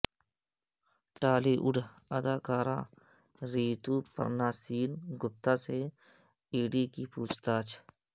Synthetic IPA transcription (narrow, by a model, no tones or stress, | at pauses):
ʈaːliːʔʊɖ | əd̪aːkaːɾã̰ː | ɾiːt̪uːpə̰ɾnaːsiːnɡʊp̚t̪aːse | iːɖiːkipuːt͡ʃʰt̪aːt͡ʃʰ